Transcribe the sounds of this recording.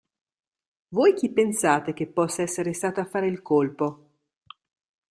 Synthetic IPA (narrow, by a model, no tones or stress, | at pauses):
vojk̟ipːensaːt̪ek̟epːɔsːaɛsːeɾest̪aːt̪oafːaːɾeilkolpo